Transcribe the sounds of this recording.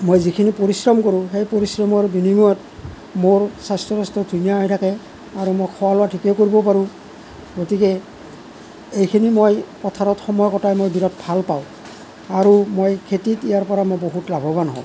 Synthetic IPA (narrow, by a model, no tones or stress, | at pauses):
mojzikʰinipoɹisɹɔmkoɹũxejpoɹisɹɔmɔɹbinimujɔt | moɹsastɹɔɹɔstɔdʱunijaɦɔjtʰakɛ | aɹumojkʰɔwalʊwatʰikɛkoɹibɔpaɹũ | ɡotikɛ | ejkʰinimojpɔtʰaɹɔtxɔmɔjɔkɔtajmojbʱiɾɔt̚bʱalpaʊ̃ | aɹumojkʰetitijaɹpɔɹamojboɦutlabʱɔbanɦɔ̰